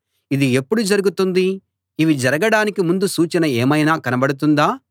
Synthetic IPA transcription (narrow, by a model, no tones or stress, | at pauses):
id̪ie̞pːuɽud͡ʒɐɾuɡut̪und̪iː | ʋid͡ʒɐɾɐɡɐɽaːnikimund̪usuːt͡ʃɐnɐeːmɐjnaːkɐnɐbɐɽut̪̬und̪aː